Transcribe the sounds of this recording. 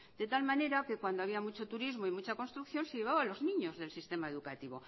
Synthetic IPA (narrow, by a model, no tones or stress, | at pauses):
d̪̥e̞t̪almãne̞ɾake̞kwand̪oaβiamut͡ʃo̞t̪uɾizmo̞imut͡ʃako̞nst̪ɾukθjo̞nseʎe̞β̞aβalo̞znĩɲo̞zðe̞lsist̪e̞maeðukat̪iβo̞̰